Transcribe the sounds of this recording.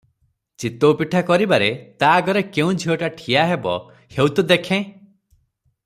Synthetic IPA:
t͡ʃit̪owpiʈʰakɔɾibaɾet̪aɡɔɾekeũd͡ʒʱiɔʈaʈʰijaɦebɔ̰ | hewt̪ud̪ekʰẽ

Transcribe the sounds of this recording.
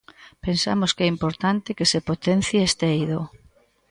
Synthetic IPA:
pensa̰mʊskɛimpoɾt̪ant̪ɪkesepot̪en̟θjeest̪eejðo

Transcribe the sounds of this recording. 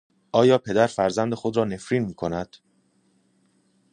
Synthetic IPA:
ʔɒːjɒːpʰe̞d̪æɾfæɾzænd̪e̞xo̞d̪ɾɒːne̞fɾiːnmiːkʰonæd̪̥

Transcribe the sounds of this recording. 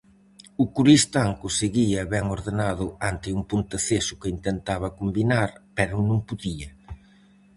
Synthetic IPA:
ʊkuɾist̪aŋkʊseɣiɐβɛŋoɾðenaðʊant̪ɪuŋpunt̪ɐθesʊkɪint̪ent̪aβɐkombinaɾpɛɾʊnũŋpuðiɐ

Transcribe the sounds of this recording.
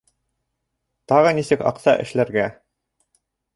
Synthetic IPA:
t̪ɑʁɤnisɘkɑ̰qsɑʔɘ̰̆ʃlæɾɡæ

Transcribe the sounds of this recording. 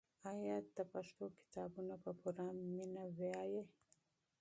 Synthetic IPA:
ajad̪əpaʂt̪okɪ̥t̪ɑːbunapəpoɾɑːmːinaweaje

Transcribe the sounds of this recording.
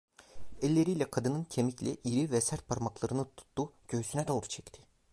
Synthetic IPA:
ɛlʲːe̞ɾijlʲɛkʰad̪ɯnɯncʰemiclʲɛ̰ʔiɾivɛsæɾt̪̚pʰaɾmaklˠaɾɯnɯt̪ʰu̥t̪ːuɟ̥ø̞ysynɛd̪oːɾu̥t͡ʃʰɛct̪ʰɪ̥

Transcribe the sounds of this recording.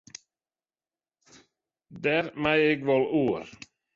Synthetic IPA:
d̪æɾmæɪeːɡʋɔluːɾ

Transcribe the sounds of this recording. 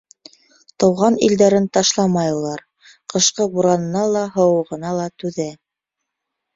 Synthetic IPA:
t̪ɤ̆wʁɑnḭld̪æɾɘnt̪ɑʃlˠɑmɑjulˠɑɾ | qɤ̆ʃqɤbuɾɑnɤ̆nɑlˠɑɦɤ̆wɤ̆ʁɤ̆nɑlˠɑt̪ʉðæ

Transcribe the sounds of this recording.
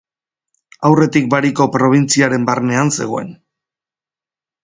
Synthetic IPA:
awre̞t̪ik̚baɾiko̞pɾo̞β̞int͡siaɾe̞mbarne̞anse̞̰ɣ̞o̞e̞̰n

